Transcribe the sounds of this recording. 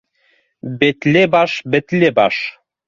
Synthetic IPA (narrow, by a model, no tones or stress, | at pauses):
bet̪lʲebɑʃbɘ̆t̪lʲebɑʃ